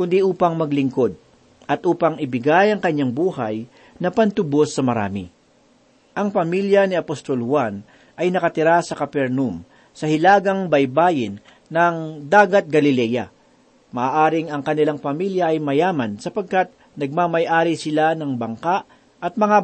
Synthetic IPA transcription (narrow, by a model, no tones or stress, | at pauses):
kʊnd̪iʔuːpɐŋmɐɡlɪŋko̞d̪̚ | ʔɐt̪ʔuːpɐŋɪbɪɡajɐŋkɐɲːaŋbuːhɐj | nɐpɐnt̪ʊbosːɐmɐɾa̰ːmɪ̰ | ʔɐŋpɐmiljɐniɐpost̪o̞lhwan | ʔɐjnɐkɐt̪ɪɾasɐkɐpɛɾnum | sɐhɪlaːɡɐŋbɐjbaːjɪnː | ɐŋd̪aːɡɐt̪̚ɡɐlɪlɛːjɐ | mɐʔaːʔaːɾɪŋɐŋkɐnɪlaŋpɐmiljɐʔɐjmɐjaːmɐnsɐpɐɡ̚kat̪̚ | nɐɡ̚mamɐjʔaːɾisɪlanɐŋbɐŋkaʔ | ʔɐt̪̚mɐŋa